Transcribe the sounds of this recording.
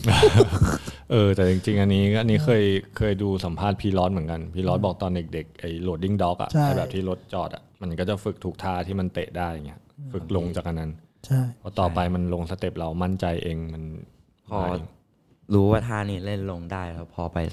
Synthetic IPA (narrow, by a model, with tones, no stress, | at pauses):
ʔɤː˧t̪ɛː˨˩t͡ɕi˧ŋt͡ɕi˧ŋʔa˧nːiː˦˥ʔa˧nːiː˦˥kʰɤː˧jkʰɤː˧jduː˧sa˩˦mpʰaː˥˩t̪̚pʰiː˧lɔː˦˥t̪̚m˩˦ənka˧npʰiː˧lɔː˦˥t̪̚bɔː˨˩k̚t̪ɔː˧nde˨˩k̚de˨˩k̚ʔa˨˩jlu˨˩ət̪̚di˥˩ŋdɔː˦˥k̚ʔa̰˨˩aː˥˩bɛː˨˩t̪ʰiː˥˩ɾo˦˥t̪̚t͡ɕɔː˨˩t̪ʔa̰˨˩ma˧nkɔː˥˩t͡ɕa˨˩fɯ˨˩k̚t̪ʰuː˨˩k̚t̪ʰaː˥˩t̪ʰiː˥˩ma˧nt̪eː˨˩t̪̚daː˥˩ja˨˩ŋi˦˥a˥fɯ˨˩k̚lo˧ŋt͡ɕaː˨˩k̚ʔa˧nːa˦˥n | t͡ɕʰa˩˥˩pʰɔː˦˧˥t̪ɔː˨˩pa˧jma˧nlo˧ŋsa˧t̪e˨˩p̚ɾa˧wma˥˩nt͡ɕa˧jʔeː˧ŋma˧n | pʰɔː˧˥˩ | ɾuː˦˥waː˥˩t̪ʰaː˥˩niː˥˩le˥˩nlo˧ŋdaː˥˩jlɛ˦˥wpʰɔː˧pa˧j